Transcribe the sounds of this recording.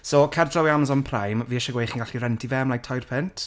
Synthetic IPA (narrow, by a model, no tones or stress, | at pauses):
sokʰɛrdʰɔwiamzɔnpʰrajmviːəʃɔɡwejχinɡaɬiɾɛntʰivɛmlajk̚tʰɔjrpʰɪntʰ